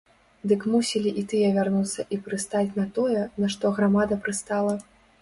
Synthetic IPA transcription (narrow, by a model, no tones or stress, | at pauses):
d̪ɨkmusʲilʲiʔit̪ɨjɛvʲarnut̪sːɐʔipɾɨst̪at͡sʲnɐt̪ɔjɛnɐʂt̪ɔɣɾamad̪ɐpɾɨst̪alˠɐ